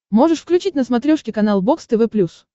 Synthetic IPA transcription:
mo̞ʐɨʂfklʲʉt͡ɕitʲnəsmɐt̪ɾʲoʂkʲɪkɐnalˠbo̞kst̪ɨvɛplʲus

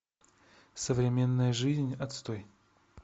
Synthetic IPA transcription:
səvɾʲɪmʲe̞nːəjəʐɨzʲnʲɐt̪st̪oj

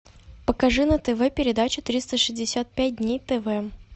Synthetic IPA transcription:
pəkɐʐɨnət̪ɛvɛpʲɪɾʲɪd̪at͡ɕʊt̪ɾʲist̪əʂɨzʲdʲɪsʲat̪̚pʲæt̚ʲd̪ʲnʲejt̪ɛvɛ

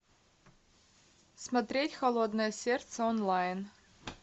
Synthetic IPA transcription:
smɐt̪ɾʲetʲxɐlˠod̪nəjəsʲert̪səonlˠajn

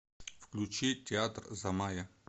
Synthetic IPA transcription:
fklʲut͡ɕitʲɪat̪rzɐmajə

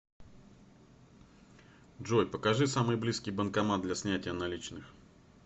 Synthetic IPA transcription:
dʐojpəkɐʐɨsamɨjblʲiskʲɪjbənkɐmad̪lʲɐsʲnʲætʲɪjənɐlʲit͡ɕnɨx

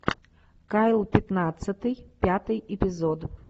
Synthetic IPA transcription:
kajlˠpʲɪt̪nat̪sɨt̪ɨjpʲat̪ɨjepʲizod̪

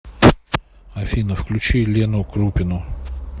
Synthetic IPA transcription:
ɐfʲinəfklʲʉt͡ɕilʲenʊkɾupʲɪnʊ

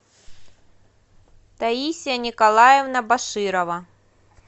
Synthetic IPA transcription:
t̪ɐisʲijɐnʲɪkɐlˠajɪvnɐbɐʂɨɾɐvɐ

